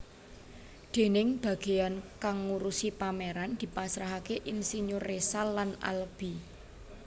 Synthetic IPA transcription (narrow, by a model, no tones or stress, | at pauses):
d̪̥e̤nɪŋb̥ä̤ɡ̥e̤jankaŋːuɾusipameɾand̪̥i̤pasɾaɦakeʔinsiɲʊrːesalːana̰lb̥i